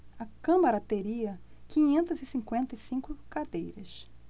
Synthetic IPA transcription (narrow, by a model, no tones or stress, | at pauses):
ɐkɐ̃mɐɾɐt̪eɾiɐ | kĩɲẽnt̪ɐzɪsĩkwẽnt̪ɐjsĩŋkʊkad̪ejɾɐs